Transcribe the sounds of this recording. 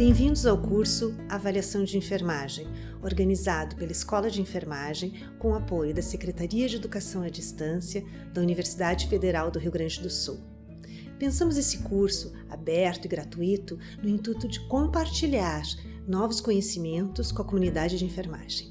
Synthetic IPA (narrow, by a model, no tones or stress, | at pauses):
b̥ẽj̃vĩnd̪ʊzawkuɾsʊaːvaliasɐ̃w̃d͡ʒɪẽfeɾmaʒẽj̃ | oɾɡɐnizad̪ʊpelɐɪskɔlɐd͡ʒɪẽfeɾmaʒẽj̃ | kõw̃apojʊd̪ɐsekɾet̪aɾiɐd͡ʒɪed̪ukasɐ̃w̃ɐd͡ʒist̪ɐ̃sjɐ | d̪̥ɐuniveɾsid̪ad͡ʒɪfed̪eɾawd̪ʊɦiwɡɾɐ̃d͡ʒɪd̪ʊsuw | pẽsɐ̃mʊznesɪ̥kuɾsʊ | a̰bɛɾt̪ʊɪɡɾat̪uit̪ʊ | nʊĩnt̪ut̪ʊd͡ʒɪkõpaɾt͡ʃiʎaɾ | nɔvʊskõɲesimẽnt̪ʊskõɐkomũnid̪ad͡ʒɪd͡ʒɪẽfeɾma̰ʒ̥ẽj̃